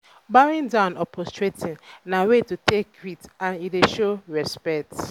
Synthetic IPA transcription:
baɾɪ̃ndãʊ̃nɔpʰɔstɹetɪ̃ŋnawetutekɾitãnideʃoɹɛspɛk̚t

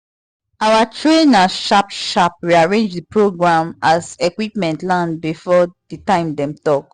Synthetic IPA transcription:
awatɹẽnaʃapʃap̚ɹiaɹẽnd͡ʒdipɹoɡɹãmazɛkwipmɛ̃ntlãnbifɔditãɪ̃mdɛ̃mtɔk̚

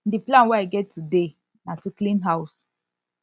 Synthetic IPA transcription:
diplãnwɛaɡɛtʰːude | natuklĩnɦaʊs

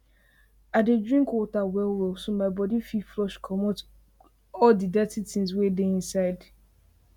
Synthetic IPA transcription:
adedɹĩŋkwɔtawɛlɹosomaɪbɔdififlɔʃkʰɔmɔt | ɔldidɛtitĩŋs̬wedeĩnsaɪd

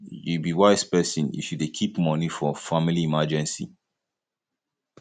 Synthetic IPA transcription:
jubiwaɪspɛsɔ̃njḭfjudekʰipmɔnifɔfamiliimad͡ʒɛ̃nsḭ

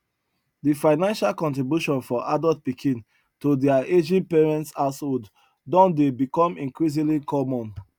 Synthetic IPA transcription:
difaɪnãnʃalkɔ̃ntɹibjuʃɔ̃nfɔʔadɔlt̚pikʰĩn | todɛaed͡ʒĩnpeɹɛ̃ntsaʊshod | dɔ̃ndebikɔ̃mĩŋkɹiz̬ĩlikɔmɔ̃n

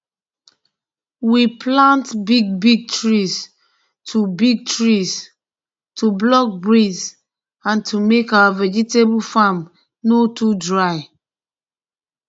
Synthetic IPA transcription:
wipʰlãntbiɡ̚biɡ̚tɹis | tʰubiɡ̚tʰɹis | tʰublɔk̚bɹiz | ãntʰumekawavɛd͡ʒitebulfam | notudɹaɪ

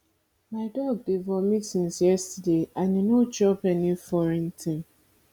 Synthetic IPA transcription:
maɪdɔɡ̚devɔmisĩnsjɛstideʔaninod͡ʒɔpɛnifɔɾĩntʰɪ̃ŋ

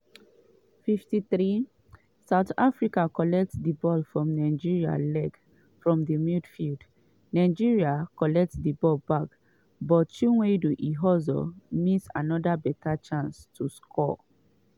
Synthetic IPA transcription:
fiftiθɾi | saʊtafɹikakɔlɛk̚tdibɔlfɹɔ̃mnaɪd͡ʒiɹia̰lɛɡ | fɹɔ̃mdimidfild | naɪd͡ʒiɹiakɔlɛk̚tdibɔlbak | bɔtʃuweduʔiɦɔzɔ̰mitsa̰nɔdabɛtʰat͡ʃãnstʰuskʰɔ̰

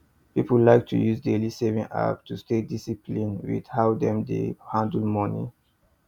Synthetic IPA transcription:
pipəllaɪk̚tʰṵjuzdelisevĩŋa̰p̚tustedisipʰlĩnwḭd̥hawd̪ɛ̃mdḛhãndlmɔnḭ

